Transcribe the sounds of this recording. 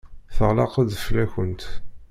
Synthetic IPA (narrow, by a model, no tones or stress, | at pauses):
θəʁlɑ̰qəðflæçənt̪